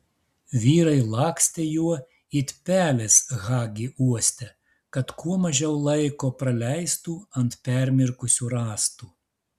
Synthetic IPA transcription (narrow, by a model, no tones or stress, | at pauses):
ʋʲiːɾɐɪlˠɑːksʲt̪ʲejuɔ | it̪ʲpʲæːlʲesɣɑːɡʲiːʔuɔsʲt̪ʲɛ | kɐt̪kʰuɔmɐʒʲɛʊlˠɐɪkoːpɾɐlʲɛɪst̪uːɐnt̪pʲɛɾʲmʲɪɾkʊsʲuːɾɑːst̪uː